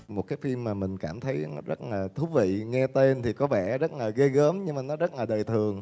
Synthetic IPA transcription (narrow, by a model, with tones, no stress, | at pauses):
mo˨˩t̚kaː˨˦jfi˧mːaː˨˩mï˨˩ŋ̟kaː˧˩mt̪ʰə˨˦jnɔ˨˦zə˦˥t̚laː˨˩t̪ʰu˨˦vḭ˧˨ŋɛ˧t̪e˧nt̪ʰi˨˩kɔ˨˦vɛ̰˧˩zə˦˥t̚ləː˨˩ɣə˧ɣəː˨˦mɲɨ˧ŋmaː˨˩nɔ˨˦zə˦˥t̚laː˨˩ɗəː˨˩jt̪ʰɨ˨˩əŋ